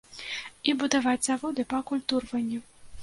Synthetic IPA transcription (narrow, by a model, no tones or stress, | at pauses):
ibud̪avad͡zʲzavɔd̪ɨpɐkulʲt̪urvɐnʲːɛ